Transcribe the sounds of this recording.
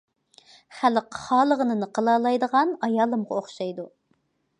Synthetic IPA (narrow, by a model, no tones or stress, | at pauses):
χælqχɑːlˠəʁənɨnɨqʰəlˠɑːlˠɑjd̪əʁɑnɑjɑːlˠɨmʁɑoχʃɑjd̪u